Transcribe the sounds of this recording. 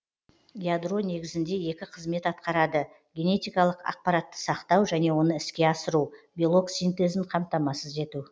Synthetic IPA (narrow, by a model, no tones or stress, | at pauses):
jad̪ro̞ne̞ɡʲɪzɪnd̪e̞je̞kʲɪqʰəzme̞t̪ɑt̪qɑɾɑd̪ə | ɡʲe̞ne̞t̪ijkɑlˠəqɑ̰q̚pɑɾat̪ːə̥sɑqt̪ɑwʒæne̞wo̞nəɪskʲe̞ɑsəɾubʲilˠo̞ksijnt̪e̞zɪɴqʰɑmt̪ɑmɑsəze̞t̪u